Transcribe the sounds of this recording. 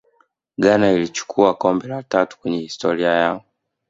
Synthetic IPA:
ɠanailit͡ʃu̥kʰuakɔmbɛlatatu̥kwɛɲɛhistɔɾiajaɔ

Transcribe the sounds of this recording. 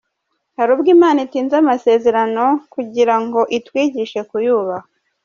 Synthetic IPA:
haɾuːbɡiːmaːnitiːnzamase̞ːze̞ɾano̞kuɟiɾaŋɡo̞ʔitwiːɟiʃe̞kujuːβa

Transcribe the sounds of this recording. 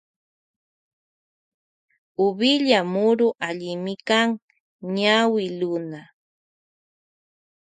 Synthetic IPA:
ʊbɪʎamʊɾʊʔaʎɪmɪkaŋ | ɲawɪlʊna

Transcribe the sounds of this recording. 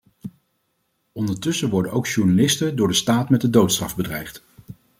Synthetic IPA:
ɔndəɹtɵsəʋɔɹdənʔowkʃuɹnalɪstədʊːɹdəstaːtmɛt̚dədowtstrɑ̰vbədrɛjχt

